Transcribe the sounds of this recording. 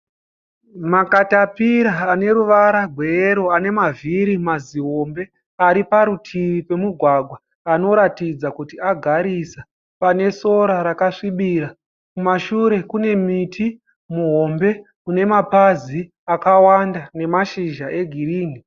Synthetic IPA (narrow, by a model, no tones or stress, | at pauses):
makatapiɾaːne̞ɾuʋaɾaɡʱwe̞eɾo̞ane̞maviɾimaziɦo̞mbe̞ | aɾipaɾutʰiʋipe̞muɡʱwaɡʱwa | ano̞ɾatid͡zakutiaɡʱaɾisa | pane̞so̞ɾaɾakaʂiɓiɾa | kumaʃuɾe̞kune̞mitʰi | muɦo̞mbe̞ | kune̞mapazi | akawandane̞maʃiʒaʔe̞ɡʱiriːni